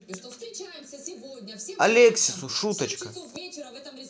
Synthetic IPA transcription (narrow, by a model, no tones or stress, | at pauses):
ɐlʲeksʲɪsʊʂut̪ɐt͡ɕkɐ